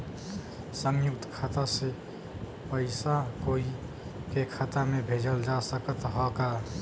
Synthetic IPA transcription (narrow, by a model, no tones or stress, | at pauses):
səŋjʊkt̪kʰat̪ase | pəɪsakoːi | kekʰat̪amẽbʱeːd͡ʒəld͡ʒasəkət̪ɦɔka